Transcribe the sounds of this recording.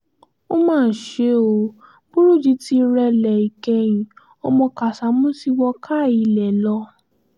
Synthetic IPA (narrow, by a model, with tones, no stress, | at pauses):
o˦mãː˦˨ʃe˨˦o˨˧˦ | bu˦ɾu˦˨d͡ʒi˨˧˦ti˧ɾɛ˧lɛ˨i˨kɛ̃˧j̃ĩ˨ | o˧mɔ̃˧ka˨sa˨˦mũ˦si˦wɔ˧kʰa˦˨i˧˨lɛ˨lɔ˧˦